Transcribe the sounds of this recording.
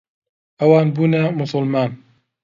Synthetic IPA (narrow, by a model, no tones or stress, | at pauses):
ʔɐwaːnbuːnɐmʊsˤʊlmaːn